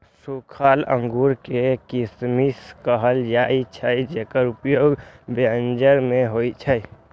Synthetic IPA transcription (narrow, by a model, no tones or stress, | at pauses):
sukʰaːlə̰̃ŋɡuːɾkekɪsmiskəɦəld͡ʒaːit͡ʃʰəid͡ʒekəɾʊpjoːɡband͡ʒəɾmẽɦoːit͡ʃʰəj